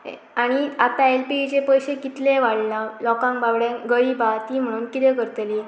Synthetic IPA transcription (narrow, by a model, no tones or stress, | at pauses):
aɽ̃iat̪aelpit͡ɕepəjɕekit̪lẽʋaɽlalɔkãŋbaʋɽjãɡəɾibat̪iːm̤əɽ̃uːnkit̪ẽkəɾt̪li